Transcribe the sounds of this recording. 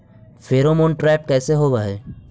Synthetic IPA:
feːɾomoːnʈɾɛːpkɛːseɦoːɡaɦeː

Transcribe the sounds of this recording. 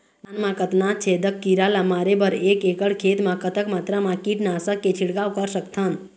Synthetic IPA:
anmãkət̪naːt̪̚t͡ʃʰed̪əkːiɾalamaːɾebəɾeːkeːkəɽkʰeːt̪mãkət̪əkmaːt̪ɾamãkiʈnaːsəkːet͡ʃʰiɽɡaːʋkəɾsəkt̪ʰən

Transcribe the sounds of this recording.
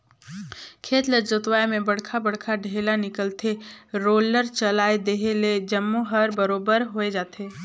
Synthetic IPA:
kʰeːt̪ləd͡ʒət̪ʋaːemẽbɐɽkʰabəɽ̤kʰaɖʱeːlanɪkəlt̪ʰeɾoːləɾt͡ʃəlaːed̪eɦeled͡ʒəmːuɦəɾbəɾoːbəɾɦoed͡ʒaːt̪eː

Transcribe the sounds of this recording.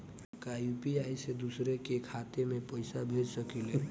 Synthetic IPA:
kaupiaːjsed̪usɾekekʰaːt̪emẽpəɪsabʱed͡ʒsəkile

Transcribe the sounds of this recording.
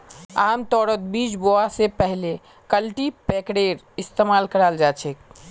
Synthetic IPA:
aːmt̪ɔːɾət̪̚biːd͡ʒboasepɛɦle | kəlʈipekɽeːɖ | ɪst̪emaːlkəɾaːld͡ʒaːt͡ʃʰek

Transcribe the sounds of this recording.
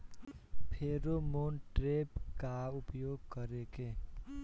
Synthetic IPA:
pʰeɾomonʈɾepkaupjoɡkʌɾeke

